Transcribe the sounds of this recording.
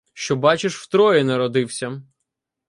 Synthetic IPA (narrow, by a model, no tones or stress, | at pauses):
ʃt͡ʃɔbɑt͡ʃɪʃwt̪ɾɔjɛnɛɾɔd̪ɪwsʲɐ